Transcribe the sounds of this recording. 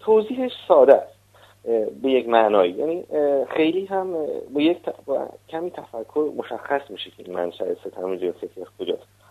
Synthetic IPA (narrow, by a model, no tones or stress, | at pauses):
t̪ʰoziːɦeʃsɒːd̪æs | be̞jecmæʔnɒːjijæ̰nixe̞jliːɦæmbɒject̪ʰb̰cʰæmiːt̪ʰæfækʰːoɾmoʃæxːæsmiːʃecʰeḭnmæ̰nʃæeset̪ʰæmid͡ʒiset̪ʰiæskʰod͡ʒɒːst̪